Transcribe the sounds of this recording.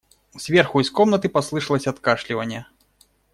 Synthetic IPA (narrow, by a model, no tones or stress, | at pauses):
z̥ʲvʲɛrxuiskɔmnɐt̪ɨpaslˠɨʂɐlˠɐsʲɐt̪kaʂlʲivɐnʲːɛ